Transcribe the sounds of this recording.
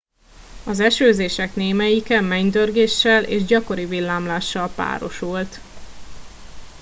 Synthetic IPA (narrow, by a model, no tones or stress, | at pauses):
ɒzɛʃøːzeːʃɛkneːmɛjikɛmːɛɲd̪ørɡeːʃːɛlʔḛːʒɟɒko̞ɾivilːaːmlaːʃːɒlpa̰ːɾo̞̰ʃult̪